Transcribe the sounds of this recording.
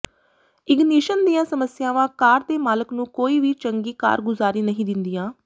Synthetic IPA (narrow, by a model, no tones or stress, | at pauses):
ɪɡniːʃənd̪ijãːsəməsɪjaːʋãːkaːɾt̪eːmaːləknũːkoːiːʋiːt͡ʃəŋɡiːka̰ːɾɡʊzaːɾiːnəɦĩːd̪ɪnd̪iːjãː